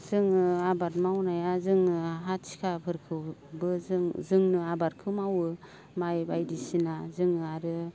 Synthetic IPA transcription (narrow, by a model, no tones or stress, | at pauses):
z̥ɯŋɯabaɾ̚mawnajazɯŋɯɦatsi̥kʰapʰɯɾkʰɯwbɯzɯŋnɯabaɾ̚kʰɯmawɯ | majbajdisinazɯŋɯaɾɯ